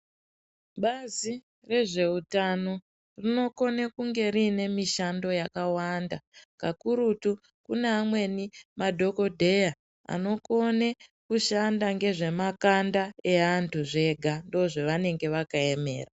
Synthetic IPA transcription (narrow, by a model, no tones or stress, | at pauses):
ɓazi | re̞ʐe̞utano̞ | rino̞ko̞nekuŋɡe̞rine̞miʃando̞jakawandakakuɾutu | kuneamwe̞nimadʱo̞ko̞dʱe̞ja | a̰no̞ko̞nekuʃandaŋɡe̞ʐe̞makandae̞antʰuʐe̞ɡʱando̞ʐeʋane̞ŋɡe̞ʋakae̞me̞̰ːra